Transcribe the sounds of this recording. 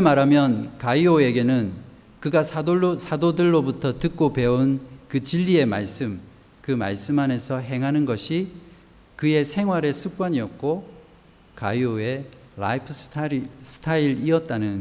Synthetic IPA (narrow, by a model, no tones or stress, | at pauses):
emaɾamjʌnkaioe̞ɡe̞nɯn | kɯɡasʰasʰadodɯɭːobutʰʌtɯk̚k͈ope̞unkɯt͡ɕiʎːie̞ma̰ɭs͈ɯm | kɯma̰ɭs͈ɯmane̞sʰʌɦe̞ŋɦanɯnɡʌɕʰi | kɯe̞sʰe̞ŋɦwaɾe̞sʰuk͈̚waɲiʌk̚k͈o | ka̰ioe̞ | ɾa̰ipʰɯsʰtʰsʰɯ̥tʰaiɾiʌt̚t͈anɯn